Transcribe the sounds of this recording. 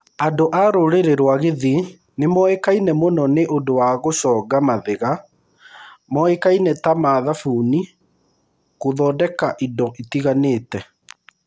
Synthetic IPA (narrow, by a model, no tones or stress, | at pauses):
andoʔaɾoɾeɾeɾwaɣeði | nemɔekainɛmonɔneʔondowaɣoɕɔɡamaðeɣa | mɔekainɛtamaðafuːni | koðɔːdɛkaʔindɔʔitiɣaneːtɛ